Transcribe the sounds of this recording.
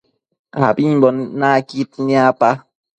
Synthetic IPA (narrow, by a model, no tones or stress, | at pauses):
a̰biɲbɔnnakit̚niapa